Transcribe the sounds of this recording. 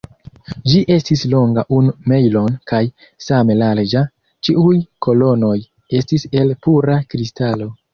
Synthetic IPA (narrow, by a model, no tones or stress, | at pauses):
d͡ʒiʔe̞stislo̞ŋɡaʔunume̞jlo̞nkaj | same̞lald͡ʒa | t͡ʃiujkʰo̞lo̞no̞j | e̞stise̞lpuɾakɾistalo̞